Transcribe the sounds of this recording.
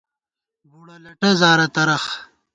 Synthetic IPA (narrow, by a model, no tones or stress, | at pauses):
buɽɐlɐʈɐzaːɾɐt̪ɐɾɐx